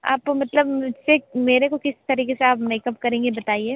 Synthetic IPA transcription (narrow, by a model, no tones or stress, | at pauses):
a̰ːp̚kmɐt̪ləbmʊd͡ʒsemeːɾekokɪst̪ɐɾiːkeseaːpmeːkɐpkɐɾẽːŋɡebɐt̪aːieː